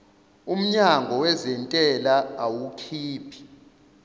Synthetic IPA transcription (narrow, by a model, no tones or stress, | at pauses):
um̩ɲaŋɡʱɔwɛzɛntʼɛlaawukʰiːpʰi̥